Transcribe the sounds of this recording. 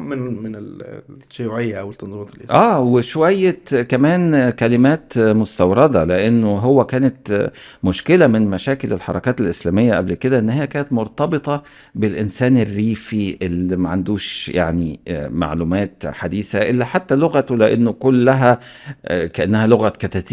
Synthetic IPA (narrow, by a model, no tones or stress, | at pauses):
mnmenelʃːojuʕejːæʔæwelt̪ːɑnðˤimɑːt̪elʔḛʔʔæːweʃowæjːekæmæːnkælɪmæːt̪most̪ɑwɾˤɑd̪ɑleʔenːoɦowːækæːnæt̪ | moʃkelæmenmæʃæːkelelħɑ̰ɾˤɑ̰kæːt̪elʔeslæːmejːæʔæblked̪æʔenːhɪjːækæːnæt̪moɾˤt̪ɑbet̪ˤɑ | belʔensæːnerːiːfiʔelːimæʕand̪uːʃja̰ʕnima̰ʕluːmæːt̪ħad̪iːsæʔelːæħat̪ːæloɣæt̪wleʔenːokolːæɦæ | kæʔanːæhæloɣækæt̪æt̪iː